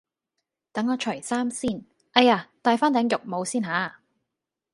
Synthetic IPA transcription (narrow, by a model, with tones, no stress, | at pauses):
t̪ɐ˨˥ŋɔː˨˧t͡ʃʰɵ˨˩saː˥msiː˥˩n | ʔɐ˧jaː˧t̪aː˨˧jfaː˥nt̪ɛː˨˥ŋjʊ˨k̚mo˨˧wsiː˥nɦaː˨˥